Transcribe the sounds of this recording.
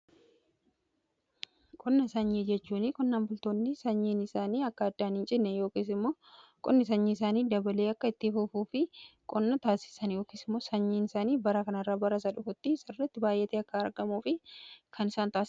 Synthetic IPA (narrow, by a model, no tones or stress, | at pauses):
kʼɔnːɐsɐɲːiːd͡ʒɛt͡ʃːuːnɪkʼɔnːaːmbʊlt̪oːnːɪsɐɲːiːnɪsaːniːɐkːɐɐd̪ːaːnɪnt͡ʃʼɪnːɛjoːkiːsɪmːoːkʼɔ̰nːɪs̬ɐɲːiɪsaːniːd̪ɐbɐle̞ːɐkːɐɪt̪ːɪfʊfuːfɪkʼɔnːɐt̪aːsɪ̥sɐnjo̞ːkiːsɪmːo̞ːsɐɲːiːnɪsaːniːbɐɾɐkɐnɐrːaːbɐɾɐs̬ɐᶑʊfʊt̪ːɪsɪrːɛt̪ːɪbaːjʔːɛt̪eːɐkːɐːɾɡɐmuːfɪkʰɐnɪsaːnt̪aːs